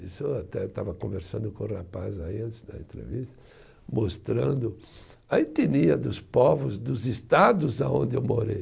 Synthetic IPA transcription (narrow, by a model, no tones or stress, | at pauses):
isʊat̪ɛt̪a̰vɐkõveɾsɐ̃nd̪ʊkõrapazaiɐ̃nt̪ɪzd̪ɐ̰ḛ̃nt̪ɾḛvist̪ɐ̥ | most̪ɾɐ̃nd̪ʊ | ɐĩt̪iniɐd̪ʊspɔvʊzd̪ʊzist̪ad̪ʊzaõnd̪ɪewmoɾej